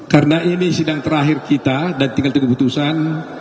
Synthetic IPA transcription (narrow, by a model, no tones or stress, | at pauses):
karənaʔinisidaŋt̪əɾaɦɪrkit̪adant̪iŋɡalt̪uɡuput̪usan